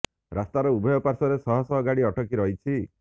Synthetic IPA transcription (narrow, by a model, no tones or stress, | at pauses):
ɾast̪aɾɔubʱɔjɔpaɾsɔɾesɔɦɔsɔɦɔɡaɽiɔʈʰɔkiɾɔɦit͡ʃʰi